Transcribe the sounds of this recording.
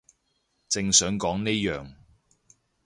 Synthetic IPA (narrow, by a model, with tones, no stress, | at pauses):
t͡sɪ˧ŋsœː˨˥ŋkɔː˨˥ŋneː˥jœː˨ŋ